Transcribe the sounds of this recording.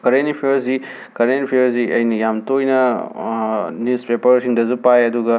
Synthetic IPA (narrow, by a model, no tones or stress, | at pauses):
kɐɾenipʰijɐɾsi | kɐɾenipʰiɐɾziʔɐjnɐjamtojnɐ | nispepɐɾsiŋdɐzupajɐduɡɐ